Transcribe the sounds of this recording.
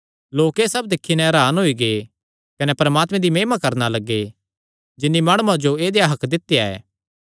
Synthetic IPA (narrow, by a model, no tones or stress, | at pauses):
loːkeːsɐbd̪ɪkʰːinɛ̃ɾaːnɦoiɡe | kɐnɛpɐɾmaːt̪mɛ̃d̪imeːmakɐɾnalɐɡːe | d͡ʒɪnːimaːɽ̃uãd͡ʒoeːd̪ejaɦɐkd̪ɪt̪ːjaɛ̰ː